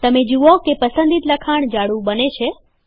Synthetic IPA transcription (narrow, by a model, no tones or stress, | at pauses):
t̪əmed͡ʒuokepəsənd̪it̪ləkʰaɳ̃d͡ʒaɽũbənet͡ʃʰe